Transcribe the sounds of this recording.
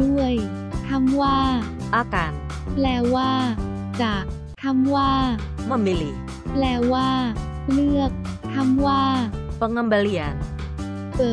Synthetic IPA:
du˥˩əj | t̪ʰa˧˥˩mwaː˥˩ʔaː˧˩kaː˧n | plɛː˧˩waː˥˩ | t͡ɕaː˨˩k̚ | t̪ʰa˧˥mwaː˥˩ | ma˧˩me˧li˧˩ | plɛː˧˩waː˥˩lɯ˥˩ək̚t̪ʰa˧˥˩mwaː˥˩pa˧ŋa˧mba˧˦li˧a˧n | kɤː˨˩

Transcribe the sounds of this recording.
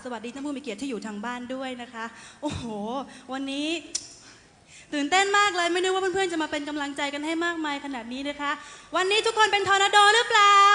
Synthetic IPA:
sa˧wa˨˩t̪̚diː˧a˥˩puː˥˩miː˧˩ki˨˩t̪ʰːiː˥˩juː˨˩t̪ʰaː˧ŋbaː˥˩ndu˥˩əjna˦˥kʰa˦˥ʔʔo˨˧˩hoː˨˩wa˧nːiː˦˥ | t̪ɯː˨˩nt̪e˥˩nmaː˥˩k̚lɤː˧jma˥˩jnɯ˦˥waː˥˩˥pʰɯ˥˩ənt͡ɕa˨˩maː˧pe˧nk̬a˧mla˧ŋt͡ɕa˧jka˧nɦa˥˩jmaː˥˩k̚maː˧jkʰa˧naː˨˩t̪̚niː˦˥na˦˥kʰa˦˥ʔwa˧nːiː˦˥t̪ʰu˦˥kʰːo˧npe˧nt̪ʰaː˧na˧doː˧ɾɯː˦˥plaː˨

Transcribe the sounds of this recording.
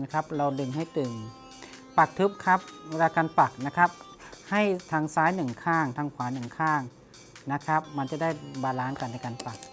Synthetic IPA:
na˧˩kʰa˦˥p̚la˧wdɯ˧˩ŋɦa˥˩jt̪ɯ˨˩ŋ | pa˨˩k̚t̪ʰɯ˦˥p̚kʰa˦˥p̚la˧ka˧npa˨˩k̚na˦˧˥kʰa˦˥p̚ | ha˥˩jt̪ʰa˧ŋsaː˨˥jnɯ˨˩ŋkʰaː˥˩ŋt̪ʰa˧ŋkʰwaː˨˦nɯ˨˩ŋkʰaː˥˩ŋ | na˦˧˥kʰa˦˥p̚ma˧nt͡ɕa˨˩da˥˩jbaː˧laː˦˥nka˨˩nː˧˩jkaː˧npa˨˩k̚

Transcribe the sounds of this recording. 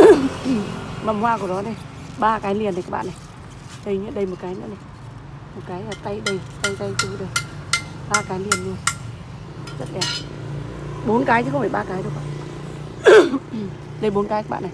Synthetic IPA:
ma˨˩mhwaː˧ku˧˩əɗɔ˨˦nə˨˧j | ɓaː˧kaː˨˦jli˧˩ənː˨˩kaː˨˦ɓa̰ː˧˨nːa˨˩j | ɗə˨˩jɲɨ̰˧˥əɗə˨˩jmo˨˩t̚kaː˨˦jnɨ̰˧˥nə˨˩j | mo˨˩t̚kaː˨˦ja˨˩t̪a˧jɗə˨˧˩jt̪a˧jt̪a˧jt͡ɕu˧˦ɗɨ˨˩ək̚ɓaː˧kaː˨˦jli˧ənlu˧ən | zə˦˥t̚ʔaː˨˩ | ɓo˨˦nkaː˨˦jɨ˧˦xwfʰa˨˩ɓaː˧˩kaː˨˦jɗɨ˧˩ə˦ɓa̰ː˧˨ | ɗə˧˩jɓo˨˦nkaː˨˦jkaː˧˦˥ɓa̰ː˧˨n˨˩j

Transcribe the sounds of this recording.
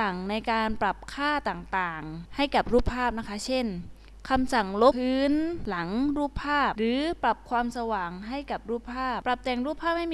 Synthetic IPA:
a˨˩ŋna˧jkaː˧npɾa˨˩p̚kʰaː˥˩t̪aː˨˩ŋt̪aː˨˩ŋha˥˩jka˨˩p̚ɾuː˥˩pʰːaː˥˩p̚na˥kʰa˦˥t͡ɕʰe˥˩n | kʰa˧msa˨˩ŋlo˦˥pʰɯː˦˥nla˩˦ŋɾuː˥˩pʰːaː˥˩p̚ɾɯː˩˦pɾa˨˩p̚kʰwaː˧msa˧waː˨˩ŋɦa˥˩jka˨˩p̚ɾuː˥˩pʰːaː˥˩p̚pɾa˨˩p̚t̪ɛː˨˩ŋɾuː˥˩pʰaː˥˩ha˥˩jm

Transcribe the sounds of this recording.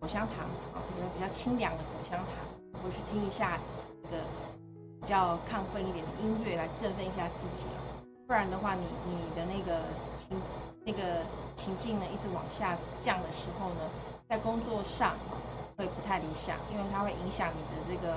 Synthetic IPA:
kʰo˨˩ʊɕjɑ˥ŋt̪ʰɑ˧˥ŋɑ̰˩xwpi˨˩t͡ɕɑ˥˩ʊt͡ɕʰi˥ŋljɑ˧˩˥ŋd̪ə˧kʰo˨˩ʊɕjɑ˥ŋt̪ʰɑ̰˧˥˦ŋ˨˧˩pʰy˥˩t̪ʰi˥ŋi˧˥ɕja˥˧na˥˩ɡə˩ | pi˨˩t͡ɕjɑ˥˧ʊkʰɑ˥˧ŋfə˥˧ni˥˩t̪jɛ˨˩nd̪ə̰˦˧i˥nɥɛ˥˩la˧˥ɪʈ͡ʂə˥˧nfə˥˧ni˧˥ɕja˥˧t͡sɹ̩˥˩t͡ɕḭ˨˩ɐ̰˦ | swɻa˧˥nd̪ə˧xwa˥˩ni˨˩ni˨˩d̪ə˦na˥˩ɡə˩t͡ɕʰi˧˥ŋna˥˩ɡə˩t͡ɕʰi˧˥ŋt͡ɕi˥˩ŋnə˩˦i˥˩ʈ͡ʂɻ̩˧˥wɑ̰˨˩ŋɕja˥˧t͡ɕjɑ˥˩ŋd̪ə˩ʂɻ̩˧˥xo˥˧ʊnə˩ | t͡sa˥˩ɪkʊ˥ŋt͡swɔ˥˧ʂɑ˥˩ŋɐ̰˩kʰwe˥i˨˩pu˧˥t̪ʰa˥˩ɪli˧˥ɕjɑ̰˨˩˦ŋḭ˥nwe˥˩ɪt̪ʰa˥xwe˥˩ɪʔi˧˥ŋɕjɑ˧˥ŋni˨˩d̪ə˦ʈ͡ʂɤ˥˩ɡə˩

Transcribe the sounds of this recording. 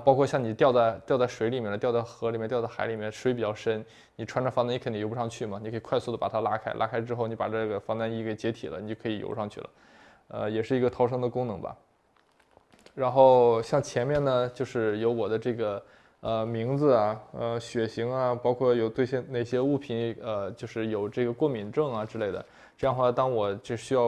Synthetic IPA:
pɑ˥ʊkʰwɔ˥˧ɕjɑ˥˩ŋni˨˩t̪jɑ˥˧ʊt͡sa˥˧ɪt̪jɑ˥˧t͡sa˥˩ɪʂwe˧˥ɪli˨˩mjɛ˥˩nə˩t̪jɑ˥˧ʊt͡sa˥˩ɪxɤ˧˥li˨˩mɛ˥nt̪jɑ˥˧t͡sa˥˧˩a˧˥ɪli˨˩mjɛ˥˩nʂwe˧˥ɪpi˨˩t͡ɕjɑ˥˧ʊʂə˥n | ni˨˩ʈ͡ʂʰwa˥nʈ͡ʂfɑ˥na˥˧i˥kʰni˨˩jo˧˥˧ʂɑ˥˧ŋt͡ɕʰy˥˩mɐ˩n˨˩kʰɤ˧˥˨kʰwa˥˧ɪsu˥˩d̪ə˩pa̰˨˩t̪ʰa˥la̰˥kʰa˥ɪlʔa̰˥kʰa˥ɪʈ͡ʂɻ̩˥xo˥˩ʊni˧˥pa̰˨˩ɤ˥˩ɡə˩fɑ˥ŋt̪a˥ni˥˩ke˥˩ɪt͡ɕjɛ˧˥t̪ʰi˨˩lə̰˦ni˨˩t͡ɕo˥˩kʰɤ˧˥i˨˩jo̰˧˥˧ʂɑ˥˧ŋt͡ɕʰy˥˩lə̰˩ | ə̰˧jɛ˨˩ʂɻ̩˥˩i˧˥ɡə˧t̪ʰɑ˥ʊʂ̬ɤ˥ŋd̪ə˨˧kʊ˥ŋnɤ˧˥ŋbɐ̰˧ | ɻa˧˥nxo˥˩ʊɕjɑ˥˩ŋt͡ɕʰjɛ˧˥nmjɛ˥˩nə˩t͡ɕjo˥˧ʊʂɻ̩˥˩jo˧˥ʊwɔ˨˩d̪ə˦ʈ͡ʂɤ˥˩ɡə˩ | ə˧mi˧˥ŋd͡zɹ̩˧ɐ˨˩ə˧ɕɥɛ˨˩ɕi˧˥ŋɐ˧pɑ˥ʊkʰwɔ˥˩jo˨˩ʊt̪we˥˧ɪɕjɛ˥˧nne˥˩ɪɕjɛ˥u˥˩pʰi˧˥nə˧t͡ɕjo˥˧ʊʂɻ̩˥˩jo˨˩ʊʈ͡ʂɤ˥˩ɡə˩kwɔ˥˩mi˨˩nʈ͡ʂɤ˥˩ŋɐ˩ʈ͡ʂɻ̩˥le˥˩ɪd̪ə̰˩ | ʈ͡ʂɤ˥˧jɑ˥˧nə˧xwa˥˩˧t̪ɑ˥ŋwɔ˨˩t͡ɕo˥˧ʂɕy˥jɑ˥˩

